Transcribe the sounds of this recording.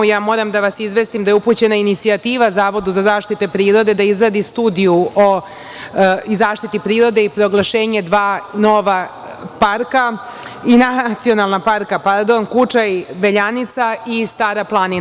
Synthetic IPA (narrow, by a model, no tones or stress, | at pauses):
jaːmo̞ːɾamd̪aʋasizʋe̞st̪imd̪ajeupuːt͡ɕe̞nainit̪siat̪iːʋazaːʋo̞d̪uzazaːʃt̪it̪epɾiːɾo̞d̪e̞d̪aizɾad̪ist̪uːd̪ijuo | izaːʃt̪it̪ipɾiːɾo̞d̪e̞ipɾo̞ɡlˠaʃe̞ːɲe̞d̪ʋaːno̞ʋa | paɾka | inat̪sio̞nalˠnapaɾkapaɾd̪o̞nkut͡ʃaibeʎanit̪saist̪aːɾaplˠani